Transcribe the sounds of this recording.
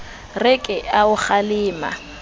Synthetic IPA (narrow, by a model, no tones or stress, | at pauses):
rɪkʼɪaʊk͡xalɪːma̰